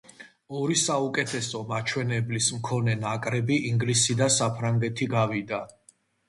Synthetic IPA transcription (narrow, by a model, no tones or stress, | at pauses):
ɔɾisaukʼɛt̪ʰɛsɔmat͡ʃʰwɛnɛblismkʰɔnɛnakʼɾɛbiʔiŋɡlisid̪asapʰɾaŋɡɛt̪ʰiɡavid̪a